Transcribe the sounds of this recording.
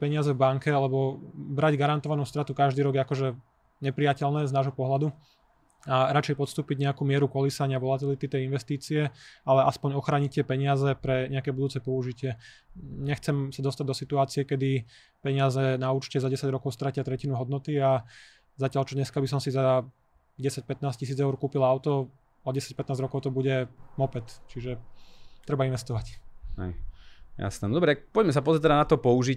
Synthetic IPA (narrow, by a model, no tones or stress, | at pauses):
pɛɲɪazɛvbaŋkɛalɛbɔbɾaɟɡaɾant̪ɔʋanuːst̪ɾat̪ukaʒd̪iːɾɔɡjɛakɔʒɛ | ɲɛpɾijacɛlnɛːznaːʒɦɔpɔɦlad̪u | aɾat͡ʃɛjpɔt̪st̪uːpiɟɲɛakuːmɪɛɾukɔlisaɲɪaʋɔlat̪ilit̪it̪ɛjinʋɛst̪iːt͡siɛalɛʔaspɔɲɔxɾaːɲic̚t̪ɪɛpɛɲɪazɛpɾɛɲɛakɛːbud̪uːt͡sɛpɔuʒicɪɛ | ɲɛxt͡sɛmsad̪ɔst̪aɟ̚d̪ɔsit̪uaːt͡siɛkɛd̪i | pɛɲɪazɛnauːt͡ʃcɛzadɟɛsaɟɾɔkɔʊst̪ɾacɪat̪ɾɛcinuɦɔd̪nɔt̪ia | zacɪalt͡ʃɔɲɛskabis̬ɔmsiza | ɟɛsac̚pɛt̪naːscis̬iːd͡zɛʊɾkuːpilaʊt̪ɔ | ɔɟɛsac̚pɛt̪nazɾɔkɔʊt̪ɔbuɟɛmɔpɛt̪t͡ʃiʒɛt̪ɾɛbainʋɛst̪ɔʋachɛ̰jja̰snɛːnd̪ɔbɾɛakpɔɟmɛs̬apɔzɾɛat̪ɛd̪anat̪ɔpɔuʒic